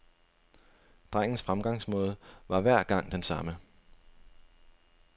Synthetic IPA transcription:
d̥ʁaŋ̰n̩sfʁamɡ̥ɑ̈ŋ̰smɔ̽ːð̞̩ˠʋɑ̈ʋæɐ̰ɡ̥ɑ̈ŋ̰d̥ensɑ̈mə

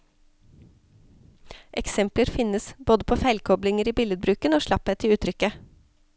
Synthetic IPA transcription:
ʔɛksɛmpləɾfɪnəsboːd̪əpʰoːfæɪlkʰɔblɪŋəɾiːbɪləd̪̚bɾʉːkənoːʃlɑpɛt̪ʰɪʉːt̪ʰɾʏkə

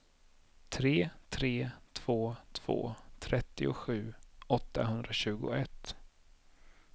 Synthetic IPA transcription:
t̪ʰɾeːt̪ʰɾeːt̪ʰv̥oːt̪ʰv̥o̰ːt̪ʰɾɛt̪ːɪʊɧʉ̟ːɔt̪ːa̰ɦɵnd̪ɾaɕʉ̟ːɡʊ̰ɛt̪ː

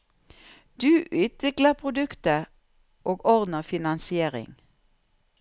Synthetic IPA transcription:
d̪̥ʉːʔʉːt̪ʋɪkləpʰʁʊd̪ʉkt̪ə | ʔoːɡɔʁd̪n̩əfɪnɑnsɪeːʁɪ̰ŋ

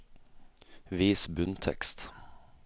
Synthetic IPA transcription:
viːsbʉnt̪ʰɛ̰kst̪

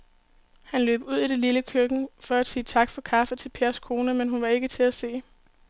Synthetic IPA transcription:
hænlø̰ːb̥uð̞̰ˠiɾ̥eliləkʰøɡ̥n̩fɒ̽æd̥siːt͡sʰɑ̈ɡ̥fɒ̽kʰɑ̈fət͡sʰe̝lpʰe̝ɐskʰo̝ːnəmenɦunʋɑ̈e̝ɡ̥ət͡sʰe̝læse̝̰ː

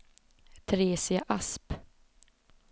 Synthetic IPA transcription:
t̪ʰɾeːsɪaʔasp

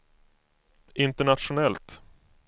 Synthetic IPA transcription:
ʔɪnt̪əɳat̪ʂʊnɛlt̪

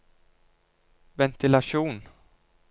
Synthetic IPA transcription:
vɛnt̪ɪlaʂuːn

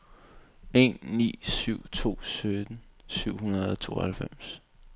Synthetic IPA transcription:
e̝̰nːḭːsyʊ̰t͡sʰo̝̰ːsød̥n̩syʊ̰hunɐð̩ˠɒ̽t͡sʰo̝̰ːhælfem̰s

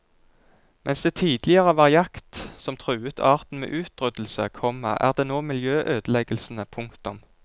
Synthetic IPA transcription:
mʔɛnsd̪eːt̪ʰiːd̪lɪəʁəʋɑʁɪjɑkt̪sɔmt̪ʰʁʉːət̪ʰɑːʁt̪n̩mḛːʔʉːt̪ʁʏd̪l̩sə̰kʰɔmə̰ʔæ̰ːʁd̪eːnoːmɪljøːʔøːd̪əlɛɡəlsn̩əpʰʊŋkt̪ʊm

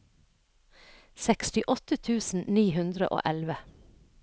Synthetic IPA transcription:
sɛkst̪ɪʔɔt̪ət̪ʰʉːsn̩niːhʉnd̪ɾə̰ʔo̰ːʔɛlʋə

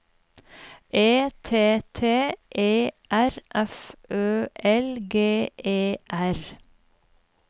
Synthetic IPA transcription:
ʔeːt̪ʰeːt̪ʰeːʔeːʔæɾʔɛfʔøːʔɛlɡeːʔeːʔæɾ

